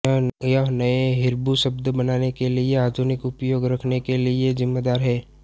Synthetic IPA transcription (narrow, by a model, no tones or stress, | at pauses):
jəɦnɐeɦɪɾbuʃəb̚d̪bɐnaːnekelieaːd̪ʱʊnɪkʊpjoːɡɾɐkʰnekeliezɪmːed̪aːɾɦɛː